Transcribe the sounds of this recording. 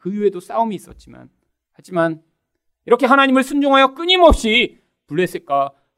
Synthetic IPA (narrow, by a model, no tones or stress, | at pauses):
kɯjuɦe̞dos͈aumiːs͈ʌ̰t̚t͡ɕ͈ima̰n | had͡ʑiman | iɾʌkʰe̞ɦanaɲimɯɭsʰund͡ʑoŋɦajʌk͈ɯɲimʌp̚ɕ͈i | puɭːe̞s͈ɯɭk͈a